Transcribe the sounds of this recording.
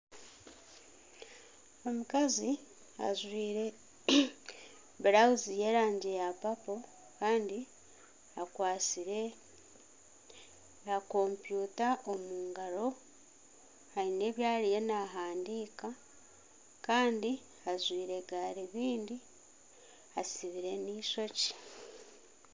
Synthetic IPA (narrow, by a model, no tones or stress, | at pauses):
o̞mukazi | a̰zwiːɾe̞ | bɾauzije̞ːɾaːɲɟejapapo̞ | kaːndi | akwaːsiɾe̞ | ako̞mpjutaʔomuːŋɡaɾo̞ | haine̞ːβjaːlije̞naɦaːndiːka | kaːndi | azwiːɾe̞ɡaɾiβiːndi | asiβiɾe̞niso̞ci̥